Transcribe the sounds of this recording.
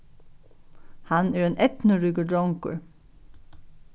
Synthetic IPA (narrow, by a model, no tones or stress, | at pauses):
hanɛɹeːnʔɛt̪nəɹʏɡəɖɔŋkə̰ɹ